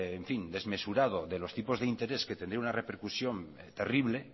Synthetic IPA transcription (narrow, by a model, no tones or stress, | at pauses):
eɱfind̪e̞zmesuɾað̞oðelost̪ipo̞zðeint̪e̞ɾesket̪e̞nd̪ɾeunarepeɾkusjo̞n | t̪e̞riβ̞le̞